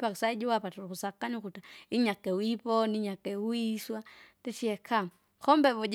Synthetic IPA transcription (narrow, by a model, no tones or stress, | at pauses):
pakisaid͡ʒuwapatuɾukusakaɲukutaiɲakɛwipɔniɲakɛuiswatɛʃiɛkʰa | kɔmbɛβɔd͡ʒ